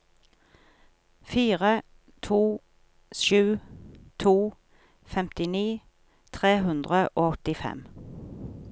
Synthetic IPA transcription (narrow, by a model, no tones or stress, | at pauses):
fiːʁə | t̪ʰuː | ʃʉːt̪ʰuː | fɛmt̪ɪniː | t̪ʰʁeːɦʉnd̪ʁəʔoːɔt̪ɪfɛ̰m